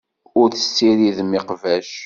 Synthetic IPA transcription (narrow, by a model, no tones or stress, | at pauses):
ʊɾθə̥sːiɾiðmɪqvæʃ